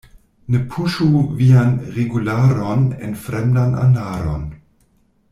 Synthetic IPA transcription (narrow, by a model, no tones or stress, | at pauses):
nəpʰuʃuvianʁeɡulaːɾonḛnfɾɛmdanʔa̰naːɾo̰n